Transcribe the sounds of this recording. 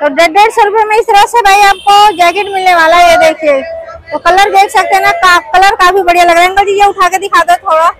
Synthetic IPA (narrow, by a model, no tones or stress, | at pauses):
t̪oɖeɖeːɖsoɾʊpemẽɪst̪əɾəsebʱaːiaːp̚kod͡ʒɛːkeʈmɪlneʋaːlaɦjed̪eːkʰiet̪okɐləɾd̪eːkʰsɐk̚t̪enɐkakɐləɾkaːfibɐɽijalɐɡɾaẽnɡod͡ʒid͡ʒeʊʈʰaːked̪ɪkʰaːd̪ot̪ʰoːɽa